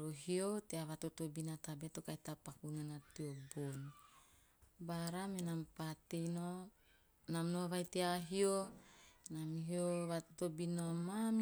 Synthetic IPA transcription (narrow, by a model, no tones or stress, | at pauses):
ɾoɦioteaβatotobinatabetokajtapakunanatiobon | baɾamenampatejno | namnoaβajteaɦio | namɦioβatotobinomam